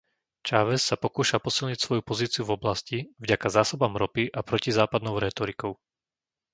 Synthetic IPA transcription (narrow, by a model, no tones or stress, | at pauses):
t͡ʃaːʋɛsːapɔkuːʃapɔsilɲicsʋɔjupɔziːt͡siuvɔblascivɟakazaːsɔbamɾɔpiʔapɾɔcizaːpad̪nɔʊɾɛːt̪ɔɾikɔʊ